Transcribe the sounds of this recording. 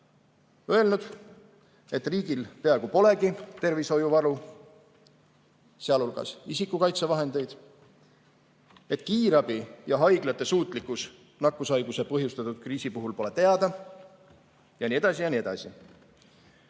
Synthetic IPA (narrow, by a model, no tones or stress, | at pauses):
øe̞lnud̪̥ | e̞t̪ːriːɡilpe̞ɑeɡ̥upo̞le̞ɡit̪e̞rviso̞juvɑɾu | seɑlulɡ̥ɑ̰sisikːukɑjt̪sevɑɦe̞nd̪̥e̞jd̪̥ | e̞t̪kiːɾɑb̥ijɑɦɑjɡlɑt̪ːˑe̞suːt̪ˑlikːˑus | nɑkːˑusɑjɡ̥usepɤɦjust̪ɑt̪ːˑud̪̥kriːsipuɦulpo̞le̞t̪e̞ɑd̪̥ɑ | jɑnie̞d̪ɑsijɑnie̞d̪ɑ̰sḭ